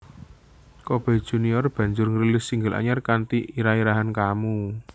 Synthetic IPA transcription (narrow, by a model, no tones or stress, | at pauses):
kob̥ɛ̤d̥ʒ̥ṳniɔrb̥ä̤ɲd͡ʒʊrŋəɾilɪsiŋɡəlʔa̰ɲarkant̪iiɾaiɾaɦankamu